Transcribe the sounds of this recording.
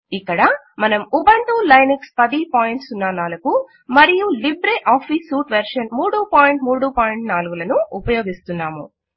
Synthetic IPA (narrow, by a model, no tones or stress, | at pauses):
ikːɐɽɐ | mɐnɐmubɐɳʈuːlɐjnɐkspɐd̪ipaːjiɳʈsunːaːnaːlɐku | mɐɾijulibɾeːʔaːpʰisuːʈʋɐɾʂɐnmuːɽuːpaːjiɳʈmuːɽuːpaːjiɳʈnaːluɡulɐnuːpɐjoːɡist̪unːaːmṵ